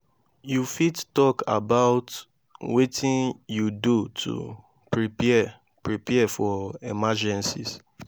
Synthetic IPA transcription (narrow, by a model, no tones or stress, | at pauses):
jufittɔkʰa̰baʊt | wetʰĩnjudutʰṵ | pɹipɛ | pɹipɛɛfɔɛmad͡ʒɛ̃nsḭs